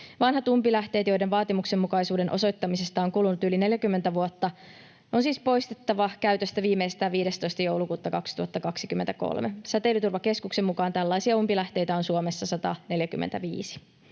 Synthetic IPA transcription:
ʋɑnɦɑt̪umpilæht̪e̞ːt̪jo̞jde̞nʋɑːt̪imuksemːukɑjsuːde̞nʔo̞so̞jt̪ːɑmise̞st̪ɑoŋkulːunːut̪yline̞ljækymːent̪æʋuot̪ːɑ | o̞nsiːspo̞jst̪et̪ːɑʋɑkæyɥt̪øst̪æʋiːmːeisest̪æːʋiːɾe̞st̪o̞jst̪ɑjo̞wlukuːt̪ːɑkɑksi̥t̪uhɑt̪ːɑkɑksikymːent̪æko̰lmesæt̪elːˑyt̪urʋɑke̞skuksemːukɑːnt̪ælːɑisiɑumpilæht̪e̞jt̪æo̞nsuomesːɑsɑt̪ɑ̰ne̞ljæky̰mːent̪æʋiːsi̥

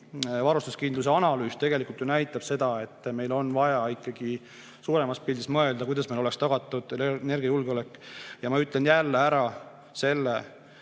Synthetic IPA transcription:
vɑɾust̪uskind̪luseɑnɑlyːst̪e̞ɡ̥e̞likult̪junæjt̪ːˑɑb̥se̞d̪̥ɑe̞t̪ːˑme̞jlo̞nvɑjɑikˑːɑɡ̥i | suːɾe̞mɑspild̪ismɤe̞ld̪̥ɑkujd̪ɑsmejlolekst̪ɑɡ̥ɑt̪ːˑud̪̥ene̞rɡ̥iɑjulɡeole̞kˑːjɑmɑyt̪ːle̞njælːeæɾɑ | se̞lːe

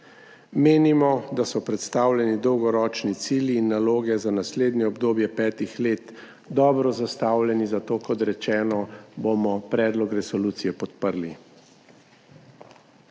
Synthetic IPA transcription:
meːnimɔd̪asɔpɾɛt̪st̪aːwlʲjɛnid̪ɔwɡɔɾɔːt͡ʃnit̪siːljiːnːaloːɡɛzanasleːd̪nʲɛɔbd̪oːbjɛpɛːt̪ixleːt̪ | d̪ɔːbɾɔzast̪aːwlʲjɛnizat̪oːkɔt̪ɾɛt͡ʃɛːnɔbomɔpɾɛːd̪lɔkɾɛsɔluːt̪sijɛpɔt̪pəɾli

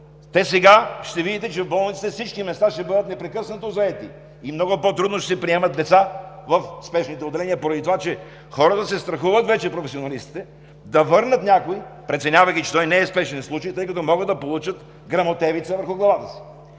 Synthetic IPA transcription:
t̪ɛsɛɡaʃt̪ɛvid̪it̪ɛt͡ʃɛvbɔlˠnit̪i̥t̪ɛfsit͡ʃkimɛst̪aʃt̪ɛbɤd̪ət̪nɛpɾɛkɤsnɐt̪ozɐɛt̪i | imnɔɡʊpot̪ɾud̪noʃt̪ɛsɛpɾiɛmɐt̪̚d̪ɛt̪savɐfspɛʃnit̪ɛod̪ɛlɛniəpoɾɐd̪it̪ovat͡ʃɛ | xɔɾət̪əsɛst̪ɾɐxuvət̪vɛt͡ʃɛpɾofɛsionɐlist̪i̥t̪ɛ | d̪ɐvɤɾnət̪nʲakoipɾɛt̪sɛnʲavɐjkit͡ʃɛ̥t̪ɔjnɛːspɛʃnɛnslˠut͡ʃɐjt̪ɤjkɐt̪ɔmɔɡəd̪d̪ɐpolˠut͡ʃət̪ | ɡɾɐmot̪ɛvit̪səvəɾxʊɡlˠɐvat̪əsi̥

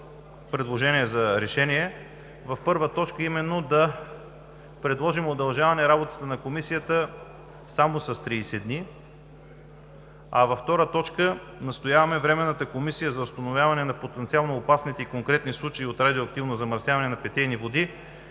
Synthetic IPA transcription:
pɾɛd̪lˠoʒɛnʲiɛzɐɾɛʃɛniɛ | vɐfpɤɾvət̪ɔt͡ʃkəimɛnːod̪ɐ | pɾɛd̪lˠɔʒimod̪ɐlˠʒavɐnɛɾabot̪ə̥t̪ənɐkomisijət̪ə | samosɐst̪ɾiːsɛd̪ni | ɐ̰vɐft̪ɔɾət̪ɔt͡ʃkə | nɐst̪ojavɐmɛvɾɛmɛnːət̪əkomisijəzɐʊst̪ɐnovʲjavɐnɛnɐpot̪ɛnt̪sialˠnoːpasnit̪ɛikoŋkɾɛt̪nislˠut͡ʃɐiot̪ɾad̪ioɐk̚t̪ivnozɐmɐɾsjavɐnɛnɐpɛt̪ɛjnivod̪i

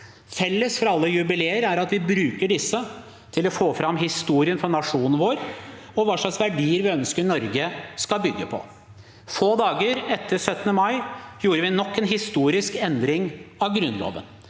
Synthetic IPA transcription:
fɛlːəsfɔɾɑlːəjʉbɪleːəɾæɾɑt̪ʋɪbɾʉːkəɖɪsːə | t̪ʰɪlɔfoːfɾɑmɦɪst̪uːɾɪənfɔnɑʂuːnn̩ʋoːɾ | ɔʋɑːʂɭɑksʋæɖiːəɾʋɪœnskəɾnɔɾɡəskɑlbʏɡːəpʰɔ̰ | foːd̪ɑːɡəɾɛt̪ʰːəɾsœt̪ːənəmɑɪjuːɾəʋɪnɔkːɛnɦɪst̪uːɾɪskɛnd̪ɾɪŋɑʋɡɾʉnlo̰ːʋə̰n

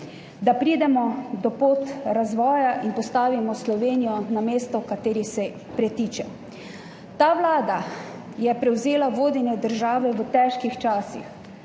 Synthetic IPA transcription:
d̪apɾiːd̪ɛmɔd̪ɔpoːt̪ɾazʋɔːjaʔinpɔst̪aːʋimɔslɔʋeːnijɔnameːst̪ɔkat̪eːɾisɛ | pɾɛt̪iːt͡ʃɛ | t̪aːʋlaːd̪a | jɛpɾɛwzeːlaʋoːd̪injɛd̪əɾʒaːʋɛʋət̪ɛːʃkixt͡ʃaːsix

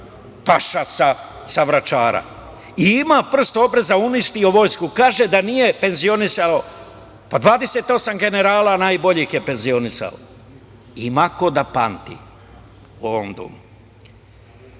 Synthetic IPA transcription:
paʃasa | saʋɾat͡ʃaːɾa̰ | iimapr̩st̪oo̞bɾe̞zauniʃt̪ioʋo̞ːjskukaːʒed̪anije̞pe̞nzio̞nisalo | pad̪ʋaːd̪e̞se̞t̪o̞samɡe̞ne̞ɾaːlanaːjbo̞ʎixjepe̞nzio̞nisa̰o̰ | imakod̪apant̪ḭ | uoomd̪o̰mu

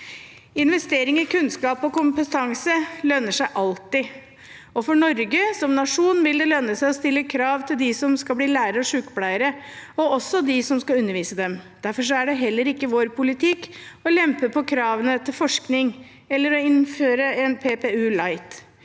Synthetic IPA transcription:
ɪnʋɛst̪eːɾɪŋɔkʉnskɑːpɔkʊmpət̪ʰɑŋsəlœnəʂæɪʔɑlt̪ɪ | ɔfɔɳɔɾɡəsɔmnɑʂuːnʋɪld̪ɛlœnːəsæɪɔst̪ɪlːəkʰɾɑːʋt̪ʰɪld̪ɪsɔmskɑbliːlæːəɾəɔʂʉːkblæɪəɾəɔɔsːɔd̪ɪsɔmskɑʉnːəɾʋiːsəd̪ɛmd̪̥æɾfɔʂ̬ɔæɖɛɦɛlːəɾɪkːəʋoːɾpʰʊlɪt̪ʰɪkːɔlɛmpəpʰɔkʰɾɑːʋənət̪ʰɪlfɔʂknɪŋ | ɛlːəɾɔɪnføːɾəɛnpʰeːpeːʉːlɑɪt̪

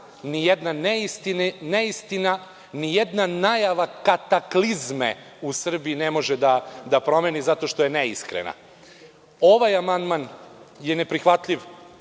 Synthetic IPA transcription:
nijɛd̪naneist̪inneist̪ina | nijed̪nanajaʋakat̪aklizmḛ | usr̩biinemo̞ʒed̪ad̪apɾo̞me̞nizat̪o̞ʃt̪ojeneiskɾḛna̰ | o̞ʋajamand̪manje̞nepɾixʋat̪ʎʲiʋ

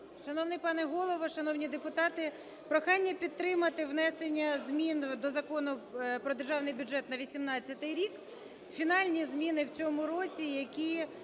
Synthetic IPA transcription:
ʃɐnɔwnɪjpɑnɛɦɔlˠɔʋɔʃɐnɔwnʲid̪epʊt̪ɑt̪ɪ | pɾɔxɑnʲːɐpʲid̪ɾɪmɐt̪ɪʋnɛsenʲːɐzʲmʲind̪ɔzɐkɔnʊpɾɔd̪erʒɑwnɪjbʲʊd͡ʒɛt̪nɐʋʲisʲimnɑt͡st͡sʲːɐt̪ɪjɾʲik | fʲinɑlʲnʲizmʲinɪwt͡sʲɔmʊɾɔt͡sʲijɐkʲi

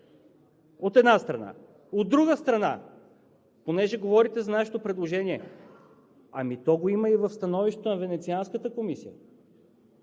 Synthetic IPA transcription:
ot̪ɛd̪nast̪ɾɐna̰ | od̪ːɾuɡəst̪ɾɐna̰ | ponɛʒɛɡovɔɾit̪ɛzɐnaʃɛt̪opɾɛd̪lˠoʒɛniɛ | ɐmit̪ɔɡoiməivɐfst̪ɐnɔviʃt̪ɛ̥t̪onɐvɛnɛt̪sianskət̪əkomisijə

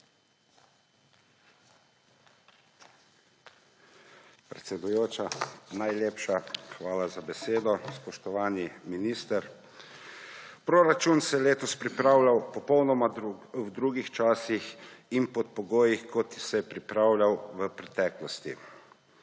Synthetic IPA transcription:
pɾɛt̪sɛd̪ujoːt͡ʃanajleːpʃaxʋaːlazabɛseːd̪ɔspɔʃt̪ɔʋaːniminiːst̪əɾ | pɾoːɾat͡ʃunsɛjɛleːt̪ɔspɾipɾaːwlʲjawpɔpɔwnɔmawd̪ɾuɡixt͡ʃaːsixinpɔt̪̚pɔɡoːjixkɔt̪isɛjɛpɾipɾaːwlʲjawʋəpɾɛt̪ɛːklɔst̪ḭ

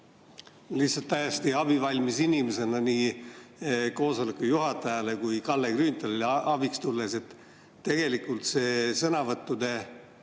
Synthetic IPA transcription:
liht̪sɑt̪ːæjest̪iɑbivɑlʲmisinimese̞nɑniː | ko̞ːso̞lekːujuɦɑt̪ːˑɑjɑle̞kujkɑlːe̞ɡrynt̪ɑleleɑbikst̪ulːese̞t̪ | t̪ːe̞ɡ̥e̞likːˑult̪se̞ːsɤnɑvɤt̪ːˑud̪e̞

